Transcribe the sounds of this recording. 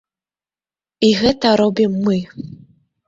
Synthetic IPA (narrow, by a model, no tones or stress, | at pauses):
iɣɛt̪ɐɾɔbʲimːɨ